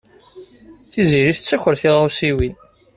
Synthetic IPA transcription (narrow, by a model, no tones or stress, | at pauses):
θiziɾiθət͡sːəçʷəɾθiʁawsiwin